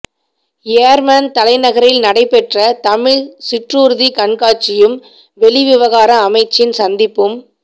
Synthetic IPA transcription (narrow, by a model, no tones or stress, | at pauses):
eːɾmaːnt̪ɐlɐɪnɐɣɐɾɪlnɐɽɐɪpːɛʈrɐt̪ɐmɪɻsɪʈruːɾðikɐɳkaːt͡ʃːɪjɯm | ʋɛɭiʋɪʋɐɣaːɾɐːmɐɪt͡ʃːɪnsɐnd̪ɪpːɯm